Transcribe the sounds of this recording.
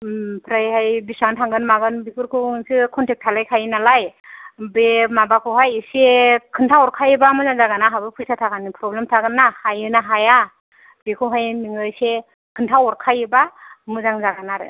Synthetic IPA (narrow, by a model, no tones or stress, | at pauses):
pʰɾajhajbisawntʰaŋɡɯnmaɡɯnbipʰɯɾkʰɯsɯkʰɔntʰek̚tʰalajkʰajnalajbemabakʰɯwɦajsekʰɯntʰawɔɾkʰajɯbamɯzaŋzaɡanaɦabɯpʰɯjsʰatʰaɡanipʰɾɔblemtʰaɡɯnːahajɯnaɦaja | bekʰɯwɦajmiŋɯjse | kʰɯntʰawɔɾkʰajɯbamɯzaŋzaɡanaɾɯ̰